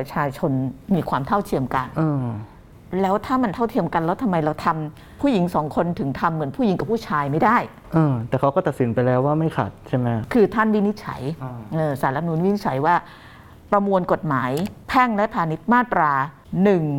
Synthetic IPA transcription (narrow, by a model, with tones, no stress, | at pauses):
pɾa˧t͡ɕʰaː˧t͡ɕʰo˧nmiː˧kʰwaː˧mt̪ʰa˥˩wt̪ʰi˧əmka˧nʔɤː˧ | lɛː˦˥wt̪ʰaː˥˩ma˧nt̪ʰa˥˩wt̪ʰi˧əmka˧nlɛː˦˥wt̪ʰa˧mːa˧jɾa˧wt̪ʰa˧m | pʰuː˥˩ji˩˦ŋsɔː˩˦ŋkʰo˧nt̪ʰɯ˩˦ŋt̪ʰa˧mːɯ˨˩˦npʰu˥˩ji˨˦ka˨˩p̚ʰːuː˥˩t͡ɕʰaː˧jma˥˩jdaː˥˩j | ʔɤː˧t̪ɛː˨˩kʰa˦˥wkɔ˥˩t̪a˨˩t̪si˩˦npa˧jlɛː˦˥waː˥˩ma˥˩jkʰa̰˨˩t̪̚t͡ɕʰa˥˩jma˦˥kʰɯː˧t̪ʰa˥˩nwi˦˥ni˦˥t̪̚t͡ɕʰa̰˩˦jʔɤː˧˩sa˩˦la˧˥nuː˨˩˦nwi˥i˥t͡ɕʰa˨˩˦jwaː˥˩ | pɾa˧mu˧nko˨˩t̪̚maː˩˦jpʰɛ˥˩ŋlɛ˦˥pʰaː˧ni˦˥t̪̚maː˥˩t̪ɾaː˧ | nɯ˨˩ŋ